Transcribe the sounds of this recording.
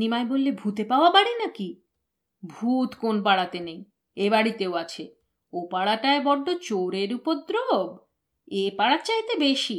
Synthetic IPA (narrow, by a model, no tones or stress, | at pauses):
nimaebolːebʱut̪epaoabaɽinaki | bʱut̪konpaɽat̪enej | ebaɽit̪eoat͡ɕʰe | opaɽaʈaebɔɖot͡ɕoɾeɾupod̪ɾob | epaɽat̪t͡ɕaɦit̪ebeʃi